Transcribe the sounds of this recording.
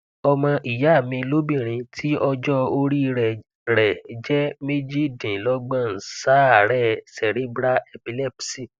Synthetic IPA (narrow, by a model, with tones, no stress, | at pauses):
ɔ˧mã˧ʔi˨ja˨˦˨mĩ˧lo˦bĩ˦˨ɾ̃ĩ˧tʰi˦ɔ˧d͡ʒɔ˦o˧ɾi˦˧ɾɛ˨ | ɾɛ˨d͡ʒɛ˦me˦d͡ʒi˦˨dĩ˨lɔ˦ɡ͡bã˦˨n̩˨sa˦˨ɾɛ˦˨sɛ˨ɾi˨˦bɾa˦ɛ˧pi˧lɛ˦˨psi˦˨